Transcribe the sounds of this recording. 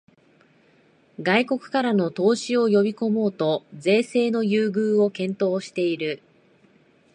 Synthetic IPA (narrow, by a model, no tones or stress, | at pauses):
ɡaiko̞kɯ̟̥kaɾano̞t̪o̞ːɕio̞jo̞bʲiko̞mo̞ːt̪o̞d͡ze̞ːse̞ːno̞jɯːɡɯ̟ːo̞kẽ̞nt̪o̞ːɕi̥t̪e̞iɾɯ̟